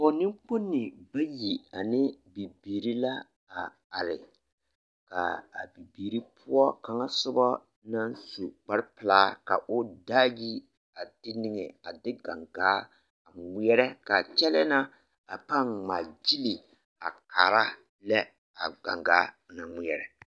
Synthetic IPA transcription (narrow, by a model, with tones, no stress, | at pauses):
pɔ˨nɪ˦ŋk͡po˦nːɪ˨ba˦ji˨a˨nɪ˦bi˨biː˨ɾi˦la˦ | a˨ | a˨ɾɪ̰˨ | ka̰˨a̰˨bi˨biː˨ɾi˦pʰʊ˦ɔ˦ka˨ŋa˦sʊ˦bɔ˦ | na˦nsu˨k͡pa˦ɾɪ˦pɪ˨laː˦ka̰˨ʔʊ˦daː˦ji˦ | a˨d̥ɪ˦nɪ˦ŋɛ˨a˨dɪ˦ɡa˨ŋɡaː˦˨ | ŋɪ˦ɛ˦ɾɛ˦ka˨t͡ʃɛ˦lɛ˦na˦ | a˨pa˦ŋŋ͡ma˨d͡ʒi˦li˨ | a˨kʰa˨ɾa˦ | lɛ˦ | a˨ɡa̰˨ŋɡaː˨˦˨na˨ŋɪ˦ɛ˨ɾɛ˨